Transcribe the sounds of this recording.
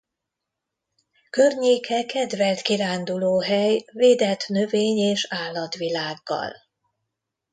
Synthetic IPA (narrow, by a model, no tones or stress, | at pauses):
kørɲeːkʰɛkɛd̪vɛlt̪kiɾaːnd̪uloːɦɛjveːd̪ɛt̪nø̞veːɲeːʃaːlːɒt̪ʋilaːɡːɒ̰l